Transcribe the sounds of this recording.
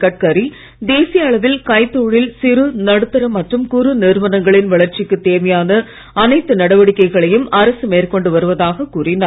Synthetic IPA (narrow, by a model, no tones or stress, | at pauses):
kɐʈ̚kɐɾi | d̪eːsɪjɐːɭɐʋɪlkɐɪt̪ːoːɻɪlsɪɾɯnɐɽɯt̪ːɐɾɐmːɐʈrɯmkʊɾɯnɪɾʋɐnɐŋɡɐɭɪnʋɐɭɐɾt͡ʃɪkːɯt̪ːeːmɐjaːnɐ | ɐnɐɪt̪ːɯnɐɽɐʋɐɽɪkːɐɪɣɐɭɐjɯmɐɾɐsɯmeːrkɔɳɖɯʋɐɾɯʋɐðaːɣɐkːuːrɪna